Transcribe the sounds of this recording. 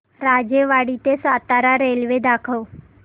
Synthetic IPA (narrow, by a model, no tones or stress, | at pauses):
ɾad͡ʑeʋaɽit̪esat̪aɾaɾelʋed̪akʰəw